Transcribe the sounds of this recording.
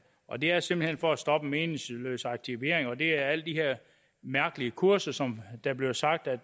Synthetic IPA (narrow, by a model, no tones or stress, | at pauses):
ʔɒ̽d̥e̝æɐse̝mb̥l̩henfɒ̽æsd̥ɒ̽b̥əme̝ːnɪslø̰ːsɑ̈ɡ̥̚t͡sʰiʋe̝ɐ̰eŋɒ̽d̥e̝æɐæl̰d̥ihe̝ɐ̰ | mæɐɡ̥əliəkʰuɐsɐsɒ̽md̥æb̥liʊsɑ̈ɡ̥̚d̥æd̥